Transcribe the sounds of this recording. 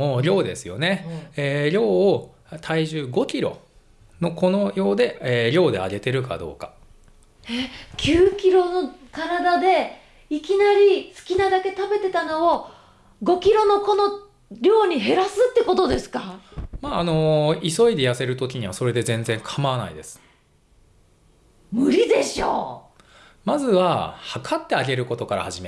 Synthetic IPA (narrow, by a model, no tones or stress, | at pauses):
oːɾʲo̞ːd̪e̞sɨjo̞ne̞eːɾʲo̞ː | t̪ʰaiʑɨːɡo̞kʲiɾo̞̰ | no̞ko̞no̞jo̞ːd̪e̞eːɾʲo̞ːd̪e̞̰a̰ɡe̞t̪e̞ɾɯ̟ka̰d̪o̞̰ːka | ekʲɨːkʲiɾo̞no̞kaɾad̪ad̪e̞ | ikʲinaɾʲisɨ̥kʲinad̪ake̞t̪abe̞t̪e̞t̪ano̞o | ɡo̞kʲiɾo̞no̞ko̞no̞ | ɾʲo̞ːɲ̟iɦe̞ɾasɨt̪ːe̞ko̞t̪o̞d̪e̞sɨ̥kamaːno̞iso̞id̪e̞jase̞ɾɯ̟t̪o̞kʲiɲ̟iβaso̞ɾe̞d̪e̞zẽ̞nd͡zẽ̞ŋkʰamaβana̰id̪e̞sɨ̥ | mɯ̟ɾʲid̪e̞ɕo̞̰ː | mazɨβahakʰat̪ːe̞aɡe̞ɾɯ̟ko̞t̪o̞kaɾa̰haʑime